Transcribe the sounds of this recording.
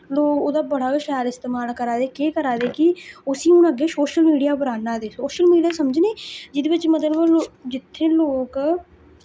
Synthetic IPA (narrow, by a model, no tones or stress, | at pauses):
loːkoːd̪aːbəɽaːʋɪʃaːlɪst̪eːmaːlkəɾaːd̪eːkeːkəɾaːd̪eːkɪʊsĩːʊnəɡeːsoːʃəlmiːɖijaːbəɾaːnaːd̪eːsoːʃəlmiːɖijaːsəməd͡ʒneːd͡ʒɪd̪eːʋɪt͡ʃmət̪̬ləbod͡ʒɪt̪ʰːeːloːk